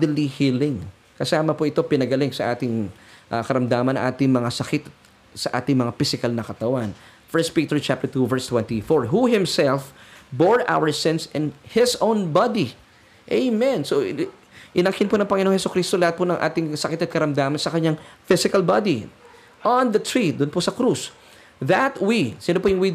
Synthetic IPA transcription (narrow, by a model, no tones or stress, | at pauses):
d̪lihilɪŋ | kɐsaːmɐpoʔɪt̪o̞pɪnɐɡɐlɪŋsɐʔaːt̪ɪŋʔɐkɐɾɐmd̪aːmɐnɐ̰ŋʔaːt̪ɪŋmɐŋasɐkɪt̪ɐt̪̚ | sɐʔa̰ːt̪ɪŋmɐŋafɪsɪkalnɐkɐt̪ɐwan | fɛɹst̪piːt̪ɛɹt͡ʃap̚t̪ɛɹt̪uvɛɹst̪wɛnt̪ifoɹɦuhɪmsɛlfboɹʔa̰wəɹsɛ̃nsɪ̃nhɪsʔõwnbɑd̪i | ʔejmɛnso | ʔɪnɐkɪnponɐŋpɐŋɪnoːŋ̃hɛsʊkɾist̪olɐhat̪̚ponɐŋʔa̰ːt̪ɪŋsɐkɪt̪ɐt̪̚kɐɾɐmd̪aːmɐnsɐkɐɲaŋfɪsɪkɐlbɑd̪i | ʔɐnd̪ɐt̪ʰɹid̪ʊnposɐkɾus | ðɐt̪wisɪnopojʊŋwi